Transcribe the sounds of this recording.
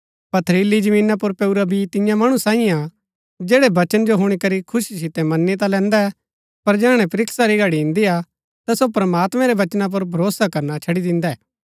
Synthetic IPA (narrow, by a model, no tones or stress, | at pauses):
pɐt̪ʰɾiːlid͡ʒɐmĩːnap̬ʊɾpɛuɾabʱit̪ɪjãmɐɽ̃usãːĩa | d͡ʒeːɽebɐt͡ʃənd͡ʒoɦʊɽ̃ikɐɾikʰʊʃis̬ɪt̪ɛmɐnːit̪̬alɛ̃ːnd̪a | pɐɾd͡ʒɛːɽ̃ɛ̃pɾɪksaɾiɡɐɽiɪ̃nd̪ia | t̪asopɾɐmaːt̪mɛ̃ɾɛʋɐt͡ʃnap̬ʊɾbʱɐɾoːsakɐɾnat͡ʃʰɐɽid̪ɪ̃nd̪aɛː